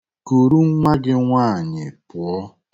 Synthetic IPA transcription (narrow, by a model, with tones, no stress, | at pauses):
ko˨ɾu˦ŋ̩˦ŋa˦ɡɪ˦ŋʷaː˦˨ɲɪ˨pʊ˨ɔ˦